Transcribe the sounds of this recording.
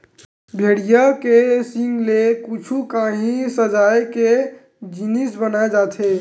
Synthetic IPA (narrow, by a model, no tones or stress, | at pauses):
bʱeɽijəkesiŋɡlekut͡ʃʰukaɦĩsəd͡ʒajke | d͡ʒinisbənajd͡ʒat̪ʰe